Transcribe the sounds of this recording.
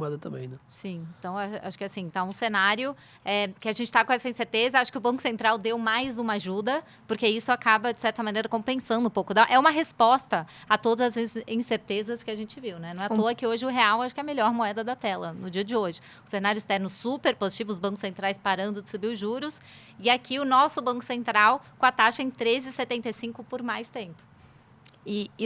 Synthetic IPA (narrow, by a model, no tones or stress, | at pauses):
moɛd̪ɐt̪ɐ̃bḛ̃j̃nɛsĩẽt̪ɐ̃w̃aʃa̰ʃʊ̥kɪasĩt̪aũsenaɾjʊ | ɛkɪaʒẽnt͡ʃɪ̥t̪akõɛsɐĩseɾt̪ezɐaʃʊ̥kɪʊbɐ̃kʊsẽnt̪ɾawd̪ewmajzũmɐaʒud̪ɐ | pʊɾkeisʊakabɐd͡ʒɪsɛɾt̪ɐmɐ̃nejɾɐkõpẽsɐ̃nd̪ʊũpowkʊd̪aʔɛũmɐɦespɔst̪ɐ | at̪od̪ɐzɐzzĩseɾt̪ezɐskɪaʒẽnt͡ʃɪviwnɛnɐ̃ɛt̪oɐkɪoʒɪʊɦeawaʃʊkɪɛɐmeʎɔɾmoɛd̪ɐd̪ɐt̪ɛlɐnʊd͡ʒiɐd͡ʒɪoʒɪ | ʊseminaɾjʊɪst̪ɛɾnʊsupeɾpozit͡ʃivʊzbɐ̃kʊsẽnt̪ɾajspaɾɐ̃nd̪ʊd͡ʒɪsubiwʊʒuɾʊs | ɪakʰiʊnɔsʊbɐ̃kʊ̥sẽnt̪ɾawkõɐt̪aʃɐẽj̃t̪ɾezɪset̪ẽnt̪ejsĩŋkʊpoɾmajst̪ẽmpʊ̥ | ɪ